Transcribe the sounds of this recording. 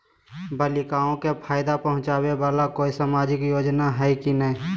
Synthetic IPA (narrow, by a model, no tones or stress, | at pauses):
bəlɪkaːõkepʰaːɪd̪apəɦʊ̃t͡ʃaːwewaːlakoːisaːmaːd͡ʒɪkjoːd͡ʒnaɦɛkinɛĩ